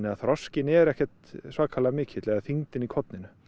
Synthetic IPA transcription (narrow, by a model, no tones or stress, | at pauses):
nɪaθɾɔscɪnɛɾɛhcɛt̪svaːkʰaːlaðmɪːcʰɪt̪lɛɣaθiŋt̪ɪnikʰɔt̪nɪnʏ